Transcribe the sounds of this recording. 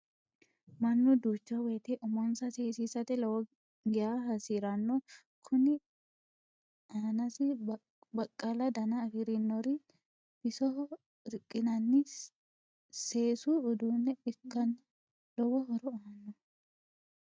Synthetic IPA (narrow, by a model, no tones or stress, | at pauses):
mɐnːʊd̪uːt͡ʃːɐwɛːt̪ɛʔɔmɔnsɐseːsiːsɐt̪ɛlɔwɔ | ɡɪjaɦɐsiːɾɐnːɔ | kʰʊnɪ | ʔaːnɐsɪ | bɐkʼːɐlɐd̪ɐnɐːɡɪɾɪnːɔɾɪ | b̥ɪsɔ | ɾɪkʼːɪnɐnːɪ | seːsuːd̪uːnːɛbɪkːɐn | lɔwɔɦɔɾɔaːnːɔ